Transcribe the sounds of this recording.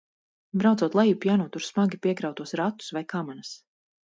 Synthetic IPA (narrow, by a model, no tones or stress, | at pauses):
bɾawd̪uɔt̪lˠajupjaːnuɔt̪uɾsmaɡʲipiɛkɾawt̪uɔsɾat̪ːu̥svajkamanas